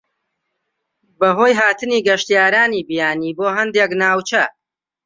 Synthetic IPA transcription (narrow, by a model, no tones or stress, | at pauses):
bɐɦoːjɦaːt̪ɨniːɡɐʃt̪ijaːɾaːniːbijaːniːboːɦɐnd̪eknaːwt͡ʃɐ